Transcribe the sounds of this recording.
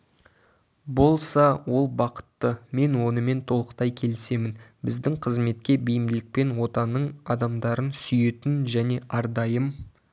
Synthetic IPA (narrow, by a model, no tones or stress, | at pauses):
bo̞lˠsɑwʔo̞lˠbɑqə̥t̪ːəme̞nwo̞nəme̞nt̪ʰo̞lˠəqt̪ɑjkʲʰe̞lɪse̞mɪnbɪzd̪ɪŋqʰəzme̞t̪̚kʲe̞bijɪmd̪ɪlɪk̚pe̞nwo̞t̪ɑnːəɴɑd̪ɑmd̪ɑɾənsʏjet̪ɪnʒæne̞ʔɑɾd̪ɑjəm